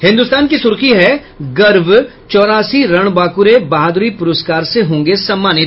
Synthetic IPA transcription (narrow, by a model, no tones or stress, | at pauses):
hɪ̃nd̪ust̪aːnkisʊɾkiɦɛ | ɡɐɾʋ | t͡ʃɔːɾaːsiɾɐɽ̃baːkʊɾebɐɦad̪ɾipʊɾəskaːɾseɦõːŋɡesɐmːaːnɪt̪